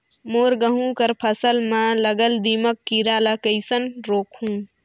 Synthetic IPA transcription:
moːɾɡəɦũkəɾpʰəsəlmãləɡəld̪iːməkːiɾaːləkəɪsənɾoːkʰɦũː

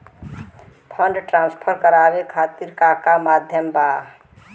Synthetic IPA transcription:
pʰʌɳɖʈɾanspʰəɾkəɾabekʰat̪iɾkakamad̪ʱjəmba

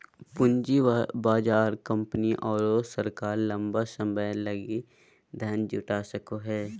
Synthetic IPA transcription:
pʊnd͡ʒibaːd͡ʒaːɾkə̃mpəniʔɔːɾosəɾkaːɾlɐ̃mbasəməjləɡi | d̪ʱəːnd͡ʒʊʈaːsəkoɦɛː

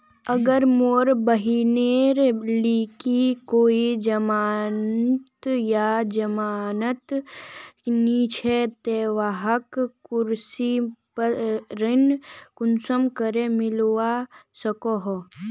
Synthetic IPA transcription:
əɡəɾmoːɾbəɦineːɾliːkikoːid͡ʒəmaːnt̪jad͡ʒɐmaːnət̪ | niːt͡ʃʰet̪eːʋaːɦəkːʊɾsipəɾɪnkʊnsəmkəɾemɪlwasəkoɦo

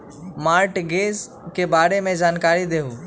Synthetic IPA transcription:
maːɾʈɡeːz | kebaːɾemẽd͡ʒaːnkaːɾid̪eːɦuː

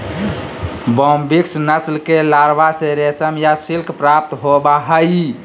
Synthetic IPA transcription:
bɔmbiksnəslkelaɾbaseɾesəmjasilkʰpɾap̚t̪ɦobaɦəji

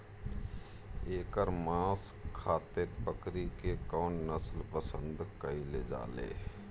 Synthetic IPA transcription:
eːkəɾmãːskʰːaːt̪epəkɾikekɔːnnəslpəsə̰̃nd̪kəiled͡ʒa̰ːlḛː

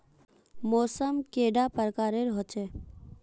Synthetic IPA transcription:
mɔːsəmkeːɖapəɾkaːɾeɾɦot͡ʃe

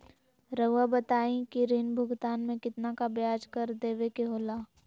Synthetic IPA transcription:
ɾɐʋabɐt̪aːĩkiɾɪnbʱʊɡt̪aːnmẽkɪt̪nakabjaːd͡ʒkɐɾd̪eːʋekeɦoːlaː

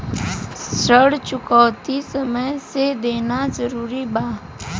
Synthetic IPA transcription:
səɽt͡ʃʊkɔːt̪isəməjsed̪eːnazəɾuːɾibaː

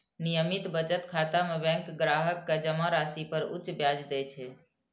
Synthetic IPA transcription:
nijəmit̪bət͡ʃət̪kʰat̪amebɛ̃ŋkɡɾaɦəkːed͡ʒəmaɾasipəɾṵt͡ʃbjad͡ʒd̪ɛt͡ʃʰɛ

